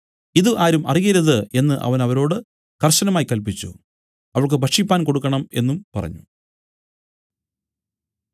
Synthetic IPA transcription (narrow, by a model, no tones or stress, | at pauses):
iðɨʔaːɾumʔɐ̰rijɐɾuðɨe̞nːɨʔɐ̰ʋɐnɐʋɐɾo̞ːɽɨ | kɐrɕɐnɐmaːjkɐlp̬it͡ɕːṵ | ɐʋɐɭk̬ɨbʱɐkʂipːaːnko̞ɽukːɐɳɐme̞̰nːumpɐrɐ̰ɲːu